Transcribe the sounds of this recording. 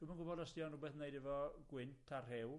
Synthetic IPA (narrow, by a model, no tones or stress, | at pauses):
d̥umanɡʊbɔdəstjɔnruːbɛθnejdɛvɔɡ̥wɪntʰarɦɛw